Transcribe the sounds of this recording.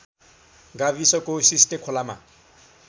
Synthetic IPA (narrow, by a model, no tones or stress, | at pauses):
ɡavisɔkʼosistʼekʰɔlama̰